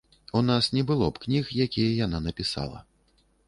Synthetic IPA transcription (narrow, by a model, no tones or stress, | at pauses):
unasnʲɛbɨlˠɔpknʲixjakʲijɐjananɐpʲisa̰lˠɐ̰